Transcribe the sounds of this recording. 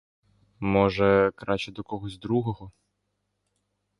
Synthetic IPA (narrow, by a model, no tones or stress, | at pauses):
mɔʒɛkɾɑt͡ʃɛd̪ɔkɔɦɔzʲd̪ɾuɦɔɦɔ